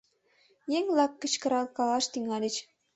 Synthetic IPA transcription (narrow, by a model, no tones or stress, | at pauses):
jeŋlˠɑkːə̆t͡ɕkə̆ɾɑlˠkɑlɑʃt̪yŋɑlʲə̆t͡ɕ